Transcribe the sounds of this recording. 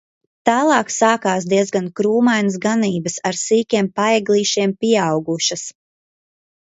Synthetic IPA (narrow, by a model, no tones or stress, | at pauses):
t̪aːlˠɑːksaːkaːsd̪iɛzɡankɾuːmajnəs̬ɡaniːbɐsaɾsiːkʲiɛmpajɛɡlˠiːʃiɛmpiɛawɡuʃɐs